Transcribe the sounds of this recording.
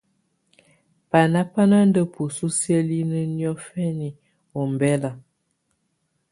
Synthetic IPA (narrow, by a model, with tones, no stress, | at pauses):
pa˨na˦pa˦na˦n˦də˦pu˨su˦sjə˦li˦nə˦njɔ˦fɛ˦ni˨ | o˨m˨bɛ˦la˨